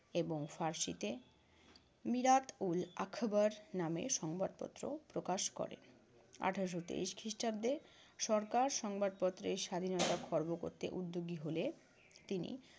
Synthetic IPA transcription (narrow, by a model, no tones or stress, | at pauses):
eboŋfaɾʃit̪e | miɾat̪ulakʰbaɾnamḛʃɔŋbad̪̚pɔ̰t̪ːɾo̰pɾokaʃkɔ̰ɾḛn | a̰ʈʰaɾoʃ̬ot̪ḛiʃkʰiʃʈab̚d̪e | ʃɔɾkaɾʃɔŋbad̪̚pɔt̪ːɾeɾʃad̪ʱinɔt̪akʰɔɾboko̰ɾt̪ḛʔud̪ːoɡiɦole | t̪inḭ